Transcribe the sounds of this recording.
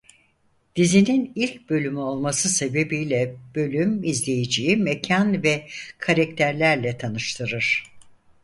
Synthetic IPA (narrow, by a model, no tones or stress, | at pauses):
d̪̥izininilʲc̚bø̞lʲymyo̞lˠmasɯse̞be̞bijlʲɛb̥ø̞lʲymizlʲe̞jid͡ʒiːmɛcʰanvɛkʰaɾak̚t̪ʰæɾlʲæɾlʲɛt̪ʰanɯʃt̪ʰɯɾɯɾ̥